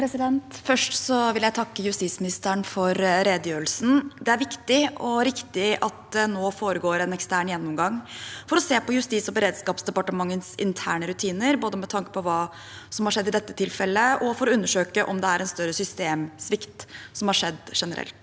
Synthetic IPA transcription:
pɾɛsɪd̪ɛnt̪fœʂʈsɔʋɪljæɪt̪ʰɑkːəjʉst̪iːsmɪnɪst̪əɳfɔɾɾeːd̪əjøːɾəlsn̩d̪ɛæɾʋɪkt̪ɪʔɔɾɪkt̪ɪʔɑt̪̚d̪ɛnoːfoːɾəɡoːɾɛnɛkst̪æːɳjɛnːʊmɡɑŋːfɔɾɔseːpɔjʉst̪iːsɔbəɾeːd̪skɑːpsd̪ɛpɑʈəmɑŋːənsɪ̰nt̪ʰæ̰ːɳəɾʉt̪ʰiːnəɾboːd̪əmɛt̪ʰɑŋkə̥pɔʋɑː | sɔmhɑʂɛd̪ːɪd̪ɛt̪ːə̥t̪ʰɪlfɛlːəɔfɔɾɔʉnːəʂøːkəʔɔmd̪ɛæɾɛnst̪œɾːəsʏst̪eːmsʋɪkt̪sɔmhɑʂɛ̰d̪ːʂɛnəɾʔɛ̰lt̪

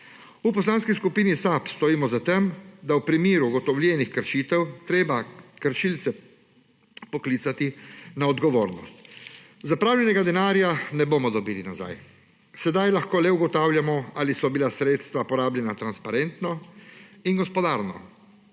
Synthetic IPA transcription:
upɔslaːnskiskupiːnisapst̪ɔiːmɔzat̪ɛmd̪awpɾimiːɾuːɡɔt̪ɔwlʲjɛːnixkəɾʃiːt̪ɛwt̪ɾeːbakəɾʃilt̪sɛ | pɔkliːt̪sat̪inaɔd̪ɡɔʋoːɾnɔ̰st̪zapɾaːwlʲjɛnɛɡad̪ɛnaːɾjanɛbomɔd̪ɔbiːlinaza̰j | sɛd̪ajlaxkoːlɛuɡɔt̪aːwljamɔalisɔbilasɾeːt̪st̪ʋapɔɾaːbljɛnat̪ɾanspaɾɛnt̪nɔ | inɡɔspɔd̪aːɾnɔ̰

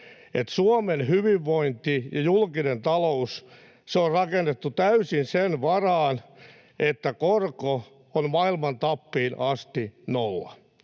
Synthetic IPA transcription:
et̪suomenhyʋiʋːoint̪ijɑjulkinent̪ɑlous | seorrɑkenːet̪ːut̪æysinsenʋɑrɑːn | et̪ːækorko | onmɑilmɑnt̪ɑpːiːnʔɑst̪inolːɑ̰

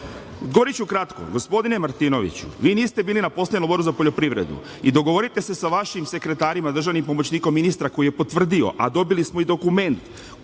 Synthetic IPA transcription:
ɡo̞ʋoɾit͡ɕukɾat̪ko̞̰ɡo̞spo̞d̪ine̞maɾt̪ino̞ʋḭt͡ɕṵʋiːniːst̪e̞biːlinapo̞seɲnoboɾuzapoʎo̞pɾiʋɾe̞̰d̪ṵ | id̪o̞ɡo̞ʋo̞ɾit̪e̞se̞saʋaʃimse̞kɾe̞t̪aːɾimad̪ɾr̩ʒaʋnimpo̞mo̞t͡ɕniːko̞mːinist̪ɾako̞ije̞po̞t̪ʋr̩d̪io̞̰ʔad̪o̞bilismo̞id̪o̞kume̞nt̪

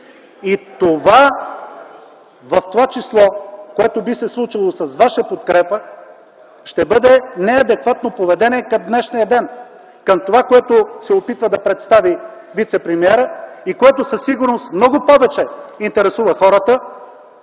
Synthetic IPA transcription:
it̪ova | vɐft̪ovat͡ʃislˠɔkoɛt̪obisɛslˠut͡ʃilˠosɐsvaʃəpot̪kɾɛpə | ʃt̪ɛbɤd̪ɛnɛɐd̪ɛkvat̪nopovɛd̪ɛnʲɛkɐmd̪nɛʃnijəd̪ɛn | kəmt̪ovakoɛt̪osɛopit̪vəd̪ɐpɾɛt̪st̪avi | vit̪sɛpɾɛmiɛɾəikoɛt̪ʊsɐsːiɡʊɾnost̪mnɔɡʊpɔvɛt͡ʃɛint̪ɛɾɛsuvəxɔɾət̪ə

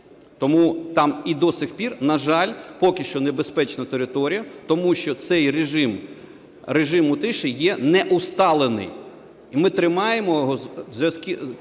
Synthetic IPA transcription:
t̪ɔmut̪ɑmid̪ɔsɪxpʲirnɐʒɑlʲpɔkʲɪʃt͡ʃɔnebespɛt͡ʃnɐt̪eɾɪt̪ɔɾʲijɐt̪ɔmuʃt͡ʃɔt̪sɛjreʒɪm | reʒɪmʊt̪ɪʃɪjɛnɛʔust̪ɑlˠenɪ̰j | imɪt̪ɾɪmɑjemɔjɦɔzʲʋʲɐskʲi

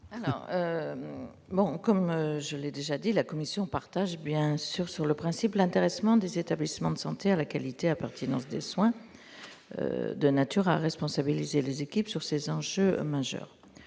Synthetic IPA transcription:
alɔ̰ːʁø | bɔ̃kɔmøʒəlɛd̪eʒad̪ilakɔmisjɔ̃paʁt̪aʒbjɛ̃syʁsyʁləpχɛ̃siplɛ̃t̪eʁɛsmɑ̃d̪ezet̪ablismɑ̃d̪əsɑ̃t̪ealakalit̪eapɛʁt̪ʰinɑ̃sd̪ḛswɛ̃ | ø̰d̪ənat̪yʁaʁɛspɔ̃sabilizelezekʲipsyʁsezɑ̃ʒømaʒœ̰ːʁ

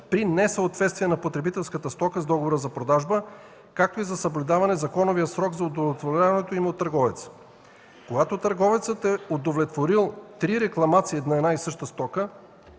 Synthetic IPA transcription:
pɾinɛsəot̪vɛt̪st̪viɛnɐpot̪ɾɛbit̪ɛlˠskət̪əst̪ɔkəzd̪ɔɡovoɾəzɐpɾod̪aʒbə | kak̚t̪oizɐsəblʲud̪avɐnɛzɐkɔnovijəsɾɔɡzɐod̪ovlʲɛt̪voɾʲavɐnɛt̪oimɛot̪ːɐɾɡɔvɛt̪sə̥ | koɡat̪ot̪əɾɡɔvɛt̪sət̪ɛod̪ovlʲɛt̪voɾilˠt̪ɾiɾɛklˠɐmat̪siɛd̪naɛd̪naisɤʃt̪əst̪ɔkə

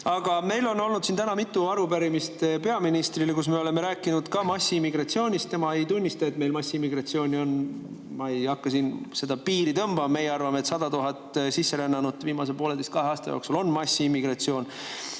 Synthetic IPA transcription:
ɑɡ̥ɑme̞jlo̞no̞lnud̪̥sint̪ænɑmit̪ːˑuɑɾupæɾimist̪epe̞ɑminist̪rilekus̬meo̞le̞me̞ɾæːkːˑinud̪̥kɑmɑsːiimːiɡrɑt̪sio̞ːnʲist̪t̪e̞mɑe̞jt̪unʲːist̪ɑe̞t̪me̞jlmɑsːiimːiɡ̥rɑtsio̞ːnʲio̞n | mɑe̞jɑkːɑsinse̞d̪̥ɑpiːɾit̪ɤmb̥ɑmmejeɑrvɑmet̪sɑd̪ɑt̪uɦɑt̪ːˑsisːe̞ɾenːɑnud̪viːmɑs̬epo̞ːle̞d̪e̞st̪kɑɦeɑːst̪ɑjo̰ksulo̞nːmɑsʲːiimːiɡ̥rɑt̪sio̞ːn

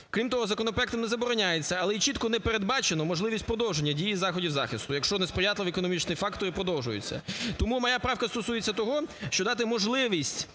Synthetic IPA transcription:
kɾʲimt̪ɔɦɔzɐkɔnɔpɾɛkt̪ɔmnɛzɐbɔɾɔnʲajet͡sʲːɐɐlˠɛit͡ʃit̪kɔnɛpeɾed̪̚bɑt͡ʃenɔmɔʒlˠɪʋʲisʲt̚ʲpɾɔd̪ɔwʒenʲːɐdʲijizɑxɔdʲiwzɑxɪst̪ʊjɐkʃt͡ʃɔnespɾɪjat̪lˠɪʋʲekɔnɔmʲit͡ʃnɪjfɑkt̪ɔɾɪpɾɔd̪ɔwʒʊjʊ̰t͡sʲːɐ̰t̪ɔmumɐjapɾɑwkɐst̪ɔsujet͡sʲːɐt̪ɔɦɔʃt͡ʃɔd̪ɑt̪ɪmɔʒlˠɪʋʲisʲtʲ

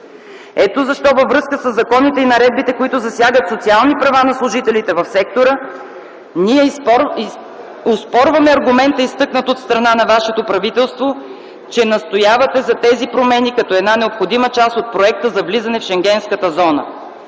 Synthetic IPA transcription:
ɛt̪ozɐʃt̪ɔvəvːɾɤskəsəzːɐkɔnit̪ɛinɐɾɛd̪̚bit̪ɛkoit̪ʊzɐsjaɡət̪sot̪sialˠnipɾɐvanɐslˠʊʒit̪ɛlit̪ɛvɐfsɛk̚t̪oɾə | niɛp | ospɔɾvɐmɛɐɾɡʊmɛnt̪əist̪ɤknət̪ot̪st̪ɾɐnanɐvaʃɛt̪opɾɐvit̪ɛlˠst̪vo | t͡ʃɛnɐst̪ojavɐt̪ɛzɐt̪ɛzipɾomɛnikɐt̪ɔɛd̪nanɛopxod̪imət͡ʃast̪ot̪̚pɾoɛk̚t̪əzɐvlizɐnɛfʃɛŋɡʲɛnskət̪əzɔnə̰

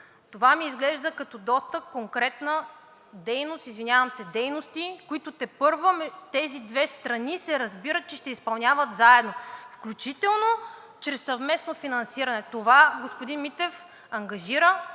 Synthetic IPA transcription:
t̪ovamiːzɡlɛʒd̪əkɐt̪ɔd̪ɔst̪əkoŋkɾɛt̪nə | d̪ɛjnost̪izvinʲjavəmsɛd̪ɛjnost̪ikoit̪ot̪ɛpɤɾvomt̪ɛzid̪vɛst̪ɾɐnisɛɾɐzbiɾət̪̚t͡ʃɛʃt̪ɛispɐlˠnʲavət̪zaɛd̪nofklʲut͡ʃit̪ɛlˠno | t͡ʃɾɛsːɐvmɛsnofinɐnsiɾɐnɛt̪ovaɡospod̪inmit̪ɛf | ɐŋɡɐʒiɾə

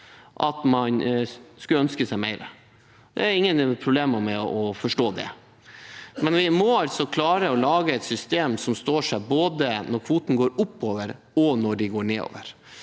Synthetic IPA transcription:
ʔɑt̪mɑnskʉləœnskəsæɪmæɪɾə̰ | d̪ɛ̰æɾɪŋːənpʰɾʊbleːməmɛɔfɔʂʈoːd̪ɛ̰ | mɛnʋɪmɔɑlt̪sɔkʰlɑːɾəɔlɑːɡəɛt̪sʏst̪eːmsɔmst̪oːʂæboːd̪ənɔɾkʰʋuːt̪n̩ɡoːɾʊpːoːʋəɾ | ɔnɔɖɪɡoːɳeːo̰ːʋəɾ

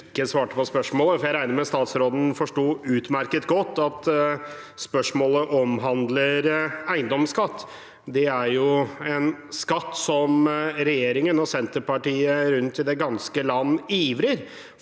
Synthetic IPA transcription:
kːəsʋɑːʈəpɔspœʂmoːləfɔɾjæɪɾæɪnəɾmɛst̪ɑːt̪sɾoːd̪n̩fɔʂʈuːʉːt̪mæɾkət̪ɡɔt̪ːɑt̪ | spœʂmoːləʔɔmɦɑnd̪ləɾæɪnd̪ɔmskɑt̪ː | d̪ɛæɾjʊɛnskɑt̪ːsɔmɾɛjeːɾɪŋənɔsɛnt̪əɾpɑʈiːəɾʉnt̪ɪd̪ɛɡɑnskəlɑnːiːʋɾəɾ

